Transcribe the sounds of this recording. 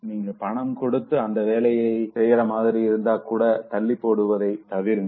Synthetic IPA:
niːŋɡɐpɐɳɐmkɔɽɯt̪ːɯɐnd̪ɐʋeːlɐjɐɪsɛjːɪɾɐmaːðɪɾiɪɾɯnd̪aːkuːɽɐt̪ɐɭːɪpːoːɽɯʋɐðɐɪt̪ɐʋɪɾɯn

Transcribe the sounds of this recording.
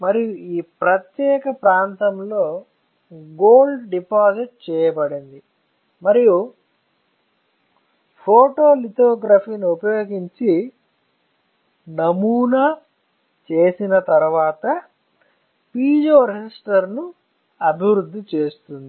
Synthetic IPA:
mɐɾijuiːpɾɐt̪jɛːkɐpɾaːnt̪ɐmlo̞ː | ɡoːlɖɖipaːd͡ʒiʈ̚t͡ʃɛːjɐbɐɽind̪i | mɐɾiju | pʰoːʈoːlit̪oːɡɾapʰiːniupɐjoːɡiɲt͡ʃi | nɐmuːnaː | t͡ʃe̞ːsinɐt̪ɐɾʋaːt̪ɐ | piːd͡ʒoːɾed͡ʒisʈɐɾnu | ɐbʱiʋɾud̪ʱːit͡ʃe̞ːst̪und̪ii

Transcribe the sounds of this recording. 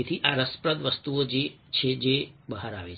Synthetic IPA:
et̪ʰiʔaɾəspɾəd̪ʋəst̪uod͡ʒe | t͡ʃʰed͡ʒebəɦaɾa̰ʋe

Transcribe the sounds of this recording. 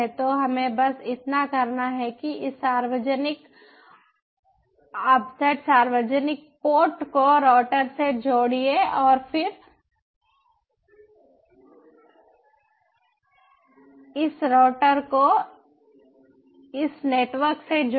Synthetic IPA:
t̪oɦɐmẽbɐsɪt̪nakɐɾnaɦɛkiɪsaːɾʋəd͡ʒnɪk | ɐpsɛːʈsaːɾʋəd͡ʒənɪk̚poːʈkoɾɔːʈəɾsed͡ʒoːɽieɔːɾfʰɪɾ | ɪsɾɔːʈəɾko | ɪsneːʈʋəɾksed͡ʒo

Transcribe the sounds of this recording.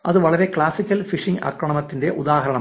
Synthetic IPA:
ɐðɨʋɐɭɐɾe̞kɭaːsikʲːɐlfiʂiŋɡɐ̰kːɾɐɳɐmɐt̪ːinde̞ʔud̪aːɦɐɾɐɳɐ

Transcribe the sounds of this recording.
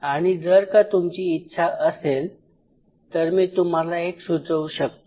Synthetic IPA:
aɽ̃id͡zəɾkat̪umt͡ɕiːtːɕʰaʔəsel | t̪əɾmiːt̪um̤alaeksudəuɕək̚t̪o

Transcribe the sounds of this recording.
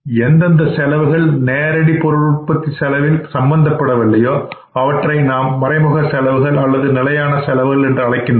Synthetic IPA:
ɛnd̪ɐnd̪ɐsɛlɐʋɯɣɐɭneːɾɐɽipɔɾɯɭɯʈ̚pɐt̪ːisɛlɐʋɪlsɐmbɐnd̪ɐpːɐɽɐʋɪlːɐjoː | ɐʋɐʈrɐɪnaːmːɐɾɐɪmɯɣɐsɛlɐʋɯɣɐɭɐlːɐðɯnɪlɐjaːnɐsɛlɐʋɯɣɐɭɛndrɯɐɭɐɪkːɪnd

